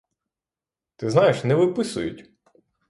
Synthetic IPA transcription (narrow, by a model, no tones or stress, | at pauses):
t̪ɪznɑjeʃnɛʋɪpɪsʊ̰jʊ̰tʲ